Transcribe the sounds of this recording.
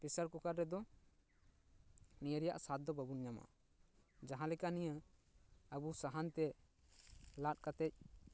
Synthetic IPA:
pisaɾkukaɾːɛd̪ɔ | nijəɾija̰ʔsat̪̚d̪ɔbəbunɲama̰ | d͡ʒaɦãlɛkanijə | əbusaɦant̪ɛ | lat̚kat̪ɛc̚

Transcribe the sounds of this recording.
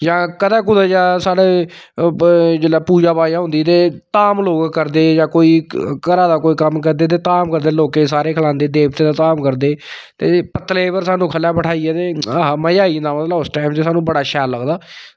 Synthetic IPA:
d͡ʒãːkəd̪ãːk̬ʊd̪aːd͡ʒaːsaːɽeː | d͡ʒelaːpuːd͡ʒaːbaːjãːɦʊ̃nd̪iːt̪eːt̪aːmloːɡkəɾd̪eːd͡ʒãːkoːiːkəɾaːd̪aːkoːiːkəmkəɾd̪eːt̪̬eːt̪aːmkəɾd̪eːloːkeːsaːɾeːkʰəlãːnd̪eːd̪eːpt̪eːd̪aːt̪aːmkəɾd̪eːt̪eːpət̪leːpəɾsaːnũːkʰəljaːpəʈʰaːiɛːt̪eːaɦməjaːĩːnd̪aːmət̪ləosʈaːɪmt͡ʃesaːnũːbəɽaːʃɛːləɡd̪aː

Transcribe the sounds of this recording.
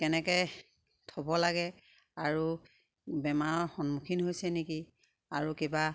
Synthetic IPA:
kɛnɛkɛ | tʰɔbɔlaɡɛ | aɹu | bɛmaɹɔxɔnmukʰinhojsɛniki | aɹukeba

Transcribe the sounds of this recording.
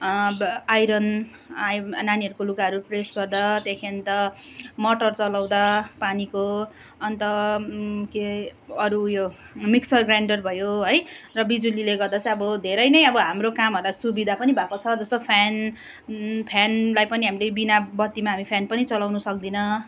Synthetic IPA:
ajɾʌn | ajnaniɦʌɾukolukaɦʌɾupresɡʌrd̪at̪jakʰent̪ʌmʌʈʌrt͡sʌlaw̃d̪apaniko | ʌnt̪ʌ | keʌɾujo | miksʌrɡraɳɖʌrbʱʌjoɦʌjrʌbid͡zulileɡʌrd̪at͡sʌ̃ʌbʌd̪ʱeɾʌjnʌjʌbʌɦamrokamɦʌɾlasubid̪ʱapʌnibʱakot͡sʰʌd͡zʌst̪opʰan | pʰjanlajpʌniɦamilebinabʌt̪ːimaɦamipʰjanpʌnit͡sʌlawnʌsʌk̚d̪inʌ

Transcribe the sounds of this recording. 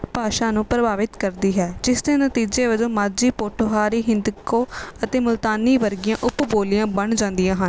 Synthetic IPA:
paːʃaːnũːpɾəbaːʋɪt̪kəɾd̪iːɦɛːd͡ʒɪsd̪eːnət̪iːd͡ʒeːʋəd͡ʒõːmaːd͡ʒiːpoːʈʰoɦaːɾiːɦɪ̃nd̪koːət̪eːmʊlt̪aːniːʋəɾɡɪjãːʔʊpboːlɪjãːbəɳd͡ʒãːnd̪ijãːɦən

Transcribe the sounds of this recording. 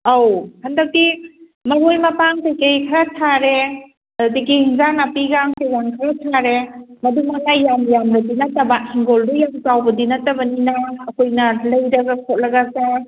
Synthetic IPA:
awhɐndɐk̚ti | mɐɾojmɐpaŋtʰajkejkʰɐɾatʰaɾe | diɡihiŋzanapiɡaŋsezaŋkʰɐɾatʰaɾemɐdumanajamjamɾɐdinɐtɐbahiŋɡoldujaŋzawbɐdinɐtɐbɐninɐːkʰojnɐlɐjɾɐɡakʰot̚lɐɡasa

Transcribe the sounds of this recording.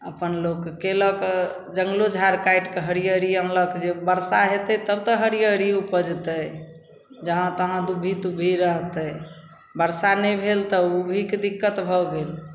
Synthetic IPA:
əpənlokːelək | d͡ʒəŋɡlod͡ʒʱaɾkajʈkeɦəɾijəɾiə̃mləkd͡ʒebəɾsaɦet̪ət̪əbt̪əɦəɾijəɾiupəd͡ʒt̪ə | d͡ʒəɦãt̪əɦãd̪ubʱit̪ubʱiɾəɦt̪ə | bəɾsanəjbʱelt̪əubʱiked̪ikːət̪bʱɔɡel

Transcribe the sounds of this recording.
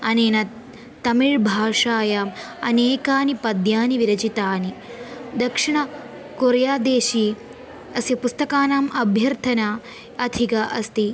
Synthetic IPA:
ɐneːnɐ | t̪ːɐmiɻbʱaːʂaːjaːm | ɐ̰neːkaːnipɐd̪jaːniʋiɾɐt͡ʃit̪aːni | d̪ɐkʂiɳ̃ɐ | koːɾjaːd̪eːʃiː | ɐsjɐpust̪ɐkaːnaːmɐbʱjɐɾt̪ʰɐnaː | ɐd̪ʱʰikɐʔɐst̪i

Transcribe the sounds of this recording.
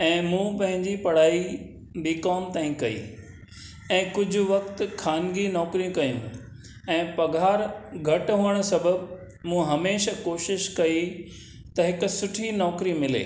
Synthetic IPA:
ɛ̃ːmũːpɐ̃ɦɪ̃ɲd͡ʑipɐɽ̤aːi | biːkɔːmt̪aːĩkɐḭː | ɛ̃ːkʊd͡ʑʱʊ̆ʋɐkt̪kʰaːnɡinɔːkɾijũkɐĩːnd̪ũ | ɛ̃ːpɐɡʱaːɾɡʱɐʈɦuːəɽ̃̆sɐbʱəb | mũːɦɐmeːʃakoːʃɪʃkɐi | t̪ɐɦɪkʊ̆sʊʈʰinɔːkɾimɪlḛː

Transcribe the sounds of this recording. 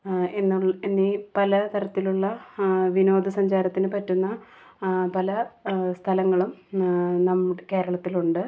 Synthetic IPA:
enːuenːipɐlɐt̪ɐɾɐt̪ːiluɭːɐʋino̞ːd̪ʱɐsɐɲd͡ʑaːɾɐt̪ːinɨpɐtːunːɐ | pɐlɐst̪ʰɐlɐŋːɐɭumnɐmːuɽke̞ːɾɐɭɐt̪ːiluɳɖɨ

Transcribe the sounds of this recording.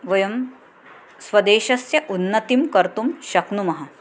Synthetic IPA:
ʋɐjɐm | sʋɐd̪eːʃɐsjɐʔunːɐt̪imkɐɾt̪umʃɐknumɐɦɐ

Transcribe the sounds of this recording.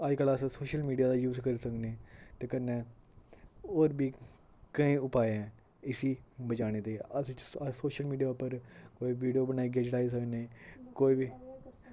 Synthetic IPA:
ad͡ʒkələssoːʃəlmiːɖijaːd̪aːjuːzkəɾiːsəkneːt̪eːkənːɛ̃ː | oːɾbiː | kəĩːʊpaːeɛ̃ː | ɪsiːbət͡ʃaːɽ̃eːt̪eːəssoːʃəlmiːɖijaːpəɾkoːiʋiːɖijoːbənaːiːɡeːd͡ʒɽaːiːs̬əkneːkoːiːbiː

